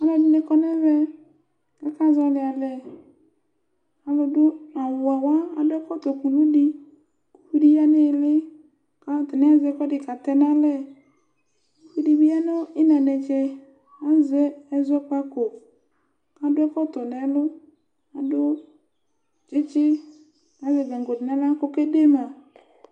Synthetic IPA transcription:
a˨lɔ˨˦dɪ˨nɪ˨kɔ˦nɛ˦vɛ˦ | kɛ˦ka˦za˦lɪ˨a˨lɛ˨ | a˨lʊ˨dʊ˦a˨wa˨wa˦a˨dʊ˦ɛ˦kɔ˦t̪ɔ˨ku˨nu˦dɪ˦ | ku˦ɸi˦di˦ja˦nɪ˦˨lɪ˦ | ka˦˨t̪ɪ˨nɪ˦a˦zɛ˦kɔ˦dɪ˨ka˨t̪ɛ˦na˦lɛ˦ | ku˦ɸi˦di˦bi˦a˦nʊ˦ɪ˦nɛ˨nɛ˨t͡ʃɛ˨ | a˦zɛ˦ɛ˦zɛ˦k͡pa˦kʊ˨ | ka˨˦dʊ˦ɛ˦kɔ˦tɔ˨nɛ˨˦lʊ˦ | a˨dʊ˦ | t͡ʃɪ˦t͡ʃɪ˦ | na˦zɛ˨ɡɛ˨ŋ˨ɡo˨dɪ˨na˦la˦kʊ˦ke˦de˦ma˨

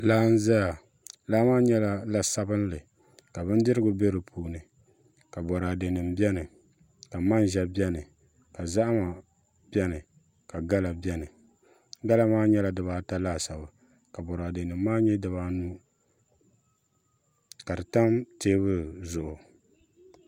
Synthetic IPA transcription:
laː˦n̩˦za˦ja˨ | laː˦maː˦ɲɛ˦la˦la˨sa˦bɨ˦n˦lɨ˨ | ka˨bɨ˦n˦dɨ˦ɾɨ˦ɡʊ˨be˦ɾɨ˨pʰuː˨nɨ˨ | ka˨bɔ˨ɾaː˨de˨nɨ˨mbɛ˦nɨ˨ | ka˨ma˦n˦ʒɛ˨bjɛ˦nɨ˨ | ka˨za˦ʔma˨ | bjɛ˦nɨ˨ | ka˨ɡa˦la˨bjɛ˦nɨ˨ | ɡa˦la˦maː˦ɲɛ˦la˨dɨ˨βaː˨ta˦laː˦sa˨bɨ˨ | ka˨bɔ˨ɾaː˨de˨nɨ˨mː˦aː˦ɲɛ˦dɨ˨βaː˦nu˦ | ka˨dɨ˨ta˦mteː˦bɨ˦zʊ˨ʔʊ˨

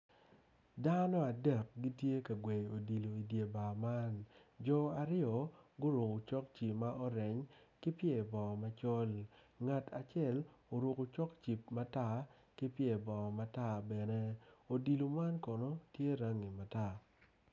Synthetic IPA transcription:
da˦nɔ˦a˨dɛ˨k̚ɡi˦tje˦ka˨ɡwe˨jo˨di˨lo˨i˨dje˨ba˨ma˦nd͡ʒɔ˨a˨ɾɪ˦jɔ˨ɡʊ˦ɾʊ˨ko˨t͡ʃɔ˦k̚t͡ʃi˨pma˦ʔɔ˦ɾɛ˨ɲ | kɪ˦pɪe˨bɔ˨ma˦t͡ʃɔ˦l | ŋa˨tʰa˨t͡ʃɛ˦˨lo˨ɾʊ˨ko˨t͡ʃɔ˦kt͡ʃi˨p̚ma˦ta˦˨ | kɪ˦pje˨bɔ˨ma˦ta˦˨bɛ˨ne˦o˨di˨lo˨ma˦nkɔ˨nɔ˦tje˦ɾa˦ŋi˨ma˨ta˦˨

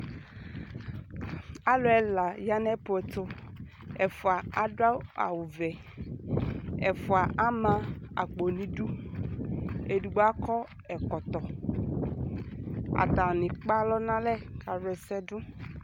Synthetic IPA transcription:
a˦lʊ˨ɛ˨la˨ja˦nɛ˦pʊ˨ɛ˨tʊ˦ | ɛ˨fʊ˨a˨a˦da˦a̰˨wʊ˨vɛ˨ | ɛ̰˨fʊ˨a˨ʔa˦mã˨˦a̰˨k͡po˨nĩ˨du˦ | e˨du˨ɡ͡ba˦kʰɔ˦ | ɛ˨kɔ˨t̪ɔ˨ | a̰˨ta˨nɪ̃˨k͡pa˦lɔ˦nã˦lɛ˦ka˨ɾɛ˨sɛ˦dʊ˦

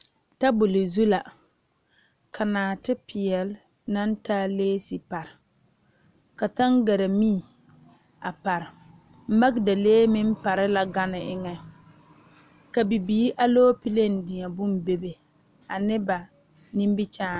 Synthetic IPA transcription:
ta˦bʊ˨lɪ˨zu˦la˨ | kʰa˨naː˨tɪ˦pɪ˨ɛ˨l | na˦n˦taː˦leː˦si˨pa˨ɾɪ˨ | ka˨ta˦ŋɡa˨ɾa˨mi˦˨ | a˨pa˨ɾɪ˨ | m̩˦ma˦ɡda˨leː˦mɪ˦m˦pa˨ɾɪ˦la˨ɡa˦nɪ˨ʔɪ˦ŋɛ˦ | ka˨bi˨biː˨˦ʔa˦loː˦pi˦le˦n˨dɪ˨a˨bʊ˦m˨be˦be˨ | a˨nɪ˦ba˨ | nĩ˦m˦bɪ˦t͡ʃaː˦˨

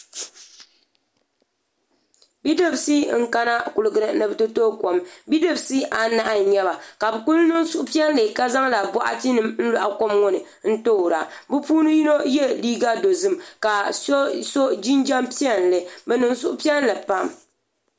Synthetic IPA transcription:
bi˦dɨ˦bsi˦ŋ̩˦ka˦na˦kʊ˨lɨ˨ɡɨ˨ɾɨ˨nɨ˨bɨ˦tɨ˦toː˦ko˨mbi˦dɨ˨bsi˦ʔa˨na˨ʔa˦˨ɲɛ˦βa˨ka˨bɨ˨ku˦lnɨ˦n˦sʊ˦ʔʊ˦pi˦ɛ˦n˦lɨ˨ka˦za˦ŋla˨bɔ˦ʔa̰˦ti˦nɨ˦mn̩˦lʊ˨ʔa˨ko˦mŋo˦nɨ˨ | n̩˦to˦˨ɾa˨bɨ˦puː˦nɨ˦ji˦no˦jɛ˦liː˦ɡa˦do˨zɨ˦mka˨˦so˦d͡ʒi˦nd͡ʒa˦mpi˦ɛ˦n˨lɨ˨bɛ˨nɨ˨nsʊ˦ʔʊ˦pi˦ɛ˦n˦lɨ˨pa˦˨m

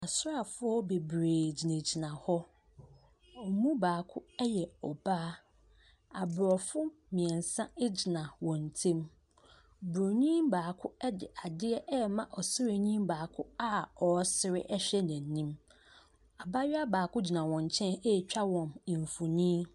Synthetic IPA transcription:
a˨sʊ˦ɾa˨fʊ˦ɔ˦be˨bɾeː˨d͡ʑi˨nẽ˨d͡ʑi˨nã˨hɔ˦ | ɔ˨mũ˦baː˨kʰʊ˦ɛ˦jɛ˨ɔ˨baː˦ | a˨bɾɔ˨fʊ˦ | mɪ̃˨ɛ̃˨n˨sã˦ɪ˦d͡ʑi˨nã˨wɔ̃˨n̩˨tʰẽ˦m | bɾo˨ɲĩ˦mbaː˨kʰʊ˦ɛ˦dɪ˨ʔa˨dɪ˦ɛ˦ʔɛ˦mã˨ʔɔ˨sɪ˦ɾe˨ɲĩ˦mbaː˨kʰʊ˦a˦ɔ˨˦sɪ˦ɾɪ̰˦ʔɛ˦ɕᶣɛ˦næ̃˨n˨˦nĩ˦m | a˨ba˦ɥɪ˦a˦baː˨kʰʊ˦d͡ʑi˨nã˨wɔ̃˨ɲ˨t͡ɕʰɛ̃˦ne˦˨t͡ɕᶣa˦wɔ̃˨m˨ɱ˨fʊ˨nĩ˦

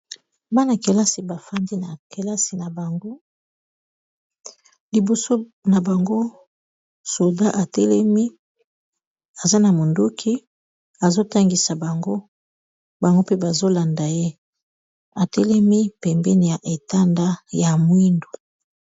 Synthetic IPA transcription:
ba˦na˨ke˨la˦si˨ba˨fa˦ndi˦na˨ke˨la˦si˨na˨ba˨ŋɡo˦ | li˨bo˨so˦na˨ba˨ŋɡo˦ | so˨da˦ʔa˨tɛ˦lɛ˦mi˦ | a˨za˦na˨mo˨ndu˦kʰi˦ | a˨zo˦ta˦ŋɡi˨sa˨ba˨ŋɡo˦ | ba˨ŋɡo˦pe˦ba˨zo˦la˨nda˨je˦ | a˨tɛ˦lɛ˦mi˦pɛ˨mbɛ˦ni˨ja˨ʔe˨ta˦nda˦ja˨mwi˦ndu̥˨

